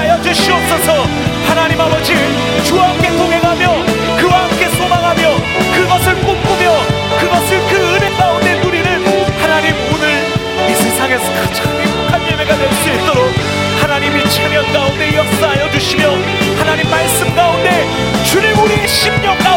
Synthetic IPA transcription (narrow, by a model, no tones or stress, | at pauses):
ajʌd͡ʑuɕʰiʌp̚s͈ʌsʰʌ | hanaɲimabʌd͡ʑi | t͡ɕuaɦamk͈e̞koŋɦe̞ŋɦamjʌ | kɯwaɦamk͈e̞sʰomaŋɦamjʌ | kɯɡʌsʰɯɭk͈ok͈umjʌ | kɯɡʌsʰɯɭkɯɯne̞k͈aunde̞nuɾiɾɯnhanaɲimonɯɾ | isʰesʰaŋe̞sʰʌkɯt͡ɕʰaŋimokʰanjeɭme̞ɡanʌks͈uɦet͈oɾok̚ | hanaɲimiɕʰimɲjʌnk͈aunde̞jʌk̚s͈ʌɦajʌd͡ʑuɕʰimjʌ | hanaɲimːaɭs͈ɯmɡaunde̞ | t͡ɕunimuɾiɕʰimɲʌnk͈a